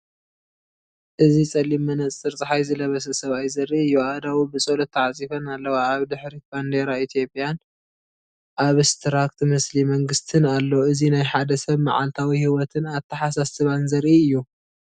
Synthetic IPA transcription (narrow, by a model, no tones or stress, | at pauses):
ʔɨzit͡sʼɐlimːɐnɐt͡sʼɨɾt͡sʼɨħajzɨlɐβɐsɐsɐβajzɐɾʔiɨjːuad̪awibɨt͡sʼolot̪ʰːɐʕat͡sʼifɐnalːɐwaːβd̪ɨħɾiband̪eɾait̪ʰjo̞pʼjan | ʔaβɨst̪ʰɾakt̪mɨslimɐŋɡɨst̪ʰɨnalːoɨzinajħad̪ɐsɐβma̰ʕa̰lt̪ʰawihiwɔt̪ʰɨnaβt̪ʰːɐħasasɨβanzɐɾʔiɨjːu